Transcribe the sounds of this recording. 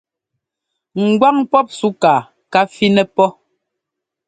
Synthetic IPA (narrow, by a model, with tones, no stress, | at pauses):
ŋ̩˨ɡwa˦ŋpɔ˦p̚su˦kaː˨ | ka˦fi˦nɛ˦pɔ˦